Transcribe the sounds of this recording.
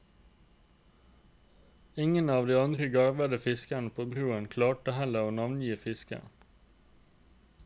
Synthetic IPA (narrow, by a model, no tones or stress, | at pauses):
ɪŋənɑːʋd̪iːɑnd̪ɾəɡɑɾʋəd̪əfɪskæɳəpʰoːbɾuːənkʰlɑːʈəhɛləoːnɑʋnjiːfɪskə̰n